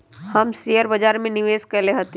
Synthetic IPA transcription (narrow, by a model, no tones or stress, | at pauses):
hɐmsijəɾbɐd͡ʒaːɾmẽnɪʋeːskɐleɦot̪e